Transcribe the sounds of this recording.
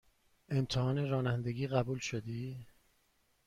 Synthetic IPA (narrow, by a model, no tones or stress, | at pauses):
e̞mt̪ʰehɒːneɾɒːnænd̪e̞ɡiːɣæbuːlʃod̪iː